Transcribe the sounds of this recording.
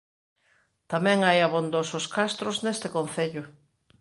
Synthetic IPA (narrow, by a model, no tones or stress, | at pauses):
t̪amɛ̃ŋajaβond̪osʊskast̪ɾʊznest̪ɪkon̟θeʎʊ